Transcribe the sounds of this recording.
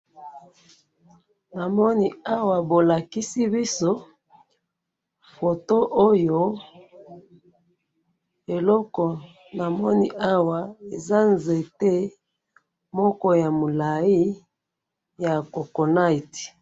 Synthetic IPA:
na˨mɔ˦ni˦a˦wa˨bo˨la˨ki˦si˦bi˦so˦ | fo˨to˦ʔo˦jo˦ | e˨lɔ˦kɔ˨ | na˨mɔ˦ni˦ʔa˦wa˨e˨za˦nze˨te˦ | mɔ˦kɔ˦ja˨mo˨la˨i˦ | ja˨ko˨ko˨na˦i˨t

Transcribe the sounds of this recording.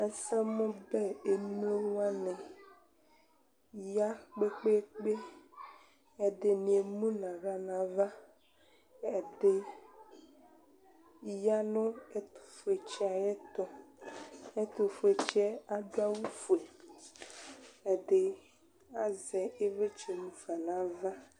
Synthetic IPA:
e˦sɛ˦mɔ̃˦bɛ˦e˨nũ˦e˦wa˦nɛ̃˨ | ja˦k͡pe˦k͡pe˦k͡pe˦ | e˨d̪e˨nĩ˨e˨mũ˦nã˨ɣa˨nã˨va˦ | e˨de˦ | ja˦nõ˦e˦t̪o̥˨fu˨e˨t͡ʃe˦a˨jɛ˦t̪ɔ˦ | e˦t̪o˨fu˨e˨t͡ʃɛ˦a˦ɖu˦a˦wu˦fu˨ɛ˨ | e˨de˨ | a˨zɛ˨e˦ve˦t͡ʃe˨mũ˨va˨nã˨va˦

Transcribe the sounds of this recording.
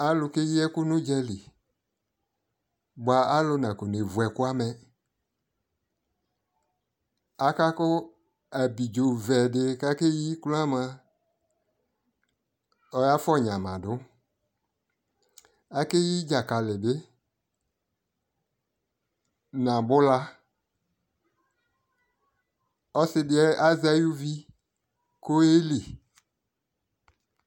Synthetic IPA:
a˦lʊ˧ke˦ji˦ɛ˦kʊ˦nʊ̃˦d͡ʒɛ˧li˨ | ba˨a˦lʊ˧nã˨ko˨ne˨vu˨ɛ˨kʊ˦a˦mɛ˧ | a˨ka˦kʊ˦ | a˨bi˨d͡ʒo˨vɛ˨dɪ˧ka˦ke˦ji˦kla˦mã˧ | ɔ˧ja˦fɔ˦˨ɲã˨mã˨dʊ˨˦ | a˨ke˦ji˦d͡ʒa˨ka˨lɪ˨dɪ˦ | nã˨bʊ˦la˦ | ɔ˦sɪ˦dɪ˦ɛ˦a˦za˦ju˦vi˦ | ko˦e˦li˨

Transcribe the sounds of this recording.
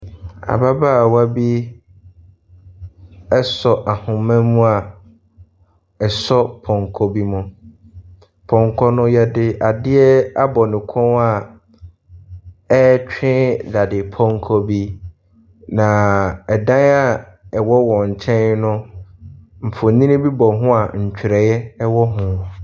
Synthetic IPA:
a̰˨ba˦ba˦˨wa˦bi˦ | ɛ˦sɔ˨ʔa˨hʊ̃˨mɛ̃˦mũ˦a˨ | ɛ˨sɔ˦pʰɔ̃˨ŋkʰɔ˦bi˦mʊ̃˨ | pʰɔ̃˨ŋkʰɔ˦nʊ̃˦jɛ˦dɪ˦ʔa˨dɪ˦ɛ˦a˦bɔ˨nɪ̃˨kʰɔ̃˦na˦˨ | ɛ˦t͡ɕᶣɪ̃˦da˨dɪ˨pʰɔ̃˦ŋ˦kʰɔ˦bi˦ | nã˨ɛ˨dã˦na˦ɛ˨wɔ˦wɔ̃˨ɲ̩˨t͡ɕʰɛ̃˦n˦nʊ̃˦ | m̩˨fʊ˨nĩ˦nĩ˦bi˦bɔ˨ɦʊ̃˦a˨ɲ̩˨t͡ɕᶣʰɾɛ˨jɛ˦ɛ˦wɔ˦ɦʊ̃˨

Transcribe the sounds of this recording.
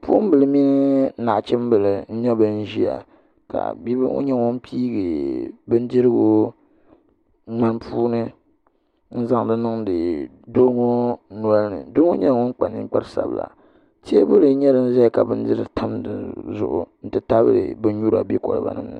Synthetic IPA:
puː˦m˦bɨ˨lɨ˦mi˦n˦na˨ʔt͡ʃɛ˦m˦bɨ˨lɨ˨n̩˦ɲɛ˦bɨ˦n̩˦ʒi˦a̰˨ | ka̰˨bi˦b̰o̰˦ɲɛ˦ŋo˦n˦piː˦ɡɨ˨bɨ˦n˦di˦ɾɨ˦ɡo˦ | ŋ͡ma˦npʰuː˦nɨ˦ | n̩˦za˦ŋ˨dɨ˦nɨ˦ŋdɨ˨ | do˦ŋo˦nu˦a˦lnɨ̰˨do˦ŋo˦ɲɛ˦˨ŋo˦ŋ˦k͡pa˨nɨ̰˦ŋ̩˦k͡pa˦sa̰˨bla̰˨ | te˦bʊ˦lɨ˦ɲɛ˦ɾɨ˦n̩˦za˦˨ka˨bɨ˦n˦di˦ɾɨ˦˨tʰa˦mdɨ̰˨nzʊ̰˨ʔʊ̰˨n̩˦tɨ˦ta˦bɾɨ̰˨bɨ˦n̩˦ɲu˦ɾa̰˨bi˦kɔ̰˨l̰ba̰˨nɨ̰˦mnɨ̰˦

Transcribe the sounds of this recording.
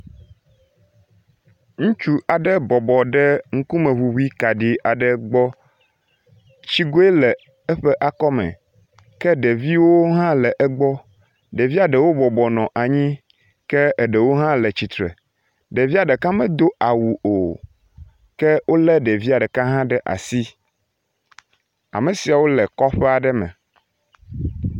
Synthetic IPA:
ŋũ˦t͡ʃu˦a˨ɖɛ˦bɔ˨bɔ˨ɖɛ˦ŋ̩˦ku˦mɛ̃˨ɦu˨wu˦i˦ka˨ɖi˨a˨ɖɛ˨ɡ͡bɔ˦ | t͡ɕi˦ɡo˦e˦lɛ˨ | ɛ˦ɸɛ˦ʔa˨kɔ˦mɛ̰̃˨ | kɛ˦ɖɛ˨vi˦wo˦ɦã˦lɛ˨ʔɛ˦ɡ͡bɔ˦ | ɖe˨vi˦a˨ɖɛ˨wo˦bɔ˨bɔ˨nɔ̃˨ʔa˨ɲĩ˦ | kɛ˦ə˨ɖɛ˨wo˦ɦã˦lɛ˨t͡ɕi˨t̪ɾɛ̰˨ | ɖe˨vi˦a˨ɖɛ˨ka˦mɛ̃˨d̪o˦a˨wu˨o˨ | kɛ˦wʔo˦lɛ˦ɖe˨vi˦a˨ɖɛ˨ka˦ɦã˦ɖɛ˦ʔa̰˨si˦ | a̰˨mẽ˨si˨a˨wo˦lɛ˨kɔ˦ɸɛ˦a˨ɖɛ˦mɛ̰̃˨

